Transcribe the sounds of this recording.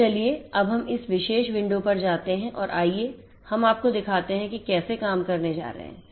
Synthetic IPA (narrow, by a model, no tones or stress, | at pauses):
ɐlieɐbɦɐmɪsʋɪʃeːʃʋɪ̃ɳɖopɐɾd͡ʒaːt̪eɦɛ̃ʔɔːɾʔaːie | hɐmaːp̚kod̪ɪkʰaːt̪eɦɛ̃kikɛːsekaːmkɐɾned͡ʒa̰ːɾɐ̰ɦɛ̰̃ː